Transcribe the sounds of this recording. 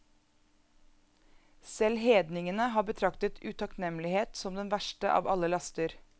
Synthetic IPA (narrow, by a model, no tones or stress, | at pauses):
sɛlheːd̪nɪŋənəɦɑːbət̪ʰɾɑkt̪ət̪ʰʉːt̪ʰɑknɛmlɪheːt̪sɔmd̪ɛnʋæʃʈəʔɑ̰ːʋɑ̰ləlɑst̪əɾ